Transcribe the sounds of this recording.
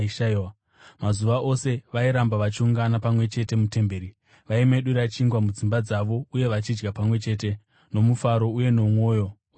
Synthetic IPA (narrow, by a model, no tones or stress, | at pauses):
ʃaiwa | mazuʋaʔo̞se̞ʋaiɾambaʋat͡ʃiuŋɡanapamwe̞t͡ʃe̞te̞mute̞mbeːɾi | ʋaime̞ɗuɾat͡ʃiŋɡwamud͡zimbad͡zaʋo̞uje̞ʋat͡ʃid͡ʒɡapamwe̞t͡ʃe̞ːt̬e̞ | no̞mufaɾo̞uje̞no̞mwo̞ːjo̞